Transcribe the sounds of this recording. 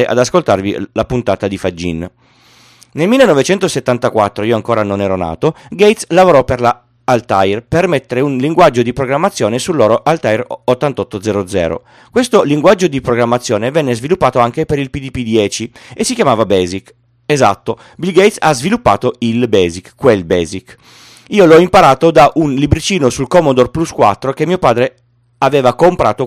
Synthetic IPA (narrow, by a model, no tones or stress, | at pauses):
eʔa̰d̪askolt̪arvḭlapunt̪aːt̪ad̪ifad͡ʒːḭn | nelmilːenɔvet͡ʃɛnt̪oset̪ːant̪akwat̪ːɾoiːoaŋkoːɾanonɛːɾona̰ːt̪oɡejt̪slavoɾɔperlaː | lt̪ajrpermet̪ːeɾeunliŋɡwad͡ʒːod̪ipɾoɡɾamːat̪sːjoːnesulːoːɾoʔalt̪ajrot̪ːant̪ɔt̪ːod̪zɛɾod̪zɛ̰ːɾo̰ | kwest̪oliŋɡwad͡ʒːod̪ipɾoɡɾamːat̪sːjoːnevɛnːezvilupːaːt̪oaŋkepeɾilpid̪ipid̪jɛːt͡ʃiesːikjamaːvabɛːzik | eza̰t̪ːo | bilɡejt̪sazvilupːa̰ːt̪oilbɛːzikkːwelbɛːzik | iːolɔimpaɾaːt̪od̪aʔunlibɾit͡ʃiːnosulkɔmod̪orpluskwa̰t̪ːɾokemːiopaːd̪ɾe | aveːvakompɾʔa̰ːt̪o